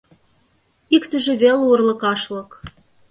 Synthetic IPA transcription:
ikt̪ə̆ʒĕβeleurlɤ̆kɑʃlɤ̆k

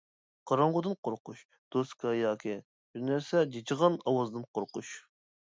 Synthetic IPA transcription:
qʰɑɾɑɴʁʊd̪ɨnqʰoɾquʃ | d̪̥oskʰɑjɑːkʲʰi | biɾnæɾsɛd͡ʒet͡ʃʰəʁɑnɑwɑzd̪ɨnqʰoɾquʃ

